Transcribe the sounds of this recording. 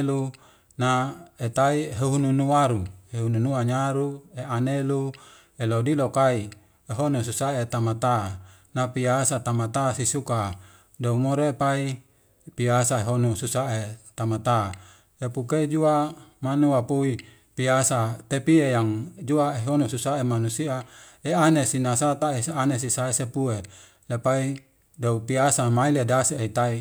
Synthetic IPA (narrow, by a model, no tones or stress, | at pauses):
lu | naet̪aiɦeɦununuaɾuheɦununuaɲaɾueanelu | elodilokai | eɦonus̬usaet̪amat̪a | napiasat̪amat̪asisuka | doumoɾeepai | piasaeɦonususaet̪amat̪a | epuked͡ʒuamanuapui | piasat̪epiejaŋd͡ʒuaeɦonususaemanusiaeanesinasat̪aesanes̬isaesepue | lepai | doupiasamailedaseeit̪ai